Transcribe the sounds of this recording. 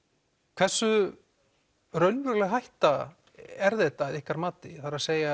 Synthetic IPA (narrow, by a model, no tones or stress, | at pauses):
kʰv̥ɛ̥sːʏ | ɾœɥnvʏɾlɛɣɦajht̪a | ɛɾðɛt̪aðɪhkaɾmaːt̪ɪθaɾaseːja